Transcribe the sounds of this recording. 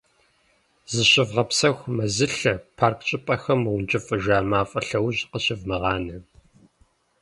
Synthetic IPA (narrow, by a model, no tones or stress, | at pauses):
zɨɕɪvʁɐpsɐxʷmɐzɨɬɐpʰaːrkʰt͡ʃʼɪpʼɐxɐmʁʷʊnt͡ʃʼɪfʼɨʒaːmaːfʼɐɬɐwʑqəɕɪvmɐʁɑːnɐ